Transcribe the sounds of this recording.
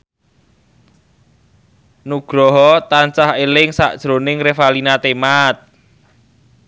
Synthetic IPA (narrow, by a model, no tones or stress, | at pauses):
nuɡ̥ɾɔɦɔt̪ant͡ʃaɦelɪŋsa̰ʔd̥ʒ̥ɾonɪŋrefalinat̪emat̪̚